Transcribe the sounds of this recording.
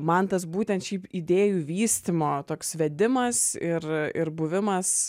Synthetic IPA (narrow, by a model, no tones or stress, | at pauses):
mɐnt̪ɐsbuːt̪ʲɛnt̪ʃʲiːpid̪ʲeːjuːʋʲiːsʲt̪ʲɪmoːt̪oːksʋʲɛd̪ʲɪmɐsɪrɪrbʊʋʲɪmɐs